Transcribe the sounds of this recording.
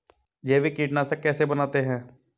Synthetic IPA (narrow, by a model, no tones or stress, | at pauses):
d͡ʒeːʋikiːʈnasekɛːsebənaːt̪eɦɛ̃ː